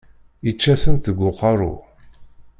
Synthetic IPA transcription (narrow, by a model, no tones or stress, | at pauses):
it͡ʃːæθənt̪əɡʷːʊqːɑɾˤʊ̰